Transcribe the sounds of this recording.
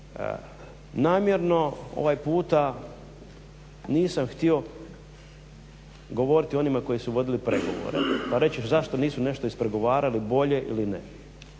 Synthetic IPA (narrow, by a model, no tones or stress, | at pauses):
naːmje̞ɾno̞o̞̰ʋajpuːt̪a | niːsamxt̪io̞ | ɡo̞ʋo̞ɾit̪io̞nimako̞jisuʋo̞d̪ilipɾe̞ɡo̞̰ʋo̰ɾḛpaɾe̞t͡ɕeʃzaʃt̪o̞niːsune̞ʃt̪oispɾe̞ɡo̞ʋaːɾalibo̞ʎe̞ʔḭlinḛ